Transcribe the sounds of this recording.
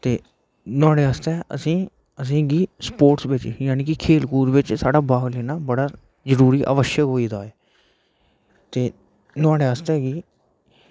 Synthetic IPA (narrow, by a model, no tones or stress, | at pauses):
t̪eː | t̪ʊãːɽeːaːst̪ɛːʔə̰sĩː | əs̬ĩːɡiːspoːɾʈsʋɪt͡ʃjaːniːkɪkʰeːlkuːɾʋɪt͡ʃsaːɖaːbaːɡlɛːnaːbəɽaː | zəɾuːɾiːʔə̰ʋəʃjəkɦoːiːd̪aːeː | t̪eː | t̪ʊãːɽeːaːst̪ɛːɡiː